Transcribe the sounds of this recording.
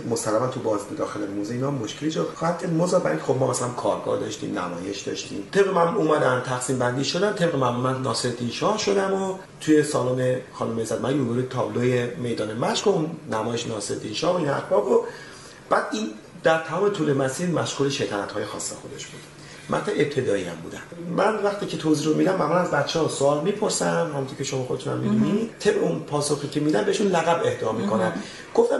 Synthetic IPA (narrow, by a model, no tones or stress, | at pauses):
mosælːæmænt̪ʰubɒːzibed̪ɒːxelemuzeiːnɒmːoʃkʰelid͡ʒɔxɒːhæd̪̚kʰæɾd̪mozɒːbæ̰ɾiŋkʰʲexob̚mɒːmæsælæmkʰɒːɾɡɒ̰ːhd̪ɒʃt̪ḭmnæ̰mɒ̰ːjeʃd̪ɒ̰ʃt̪ʰḭmt̪ʰe̞bɣemæmuuːmæd̪ænt̪ʰæxsiːmbænd̪iːʃod̪ænt̪ʰe̞bɣemæmumænnɒːseɾd̪inʃɒːhʃo̞d̪æmo | t̪ʰuje̞sɒːloːnexɒːnomezæd̪mæjoɡuɾet̪ʰɒːblojeme̞jd̪ɒːnemæʃkounːæmɒːjeʃenɒːseɾd̪inʃɒːhoinæ̰ɾbɒːbo | b̥æːd̪̥in | d̪æɾt̪ʰæmɒːme̞t̪ʰuːlemæsiːɾmæʃɡuːleʃejt̪ʰæːnæt̪hɒːjexɒ̰ːsːexod̪e̞ʃb̥uːd̪ | mʔæ̰nt̪ʰɛʔep̚t̪ʰe̞d̪ɒːiæ̰mbṵːd̪æ̰nmænvæxt̪ʰiːcʰe̞t̪ʰoziːɾomid̪æmbæmænæzbæt̪t͡ʃʰːehɒsoɒːlmipʰo̞ɾsæhæmunt̪ʰocʰeʃomɒːxod̪e̞t̪ʰunæ̰mːid̪unid̪̥t̪ʰebeunpʰɒːsoxiːcʰemid̪ænbeeʃunlæɣæbe̞hd̪ɒːmiːkʰo̞næn | ɡ̥o̞ft̪æ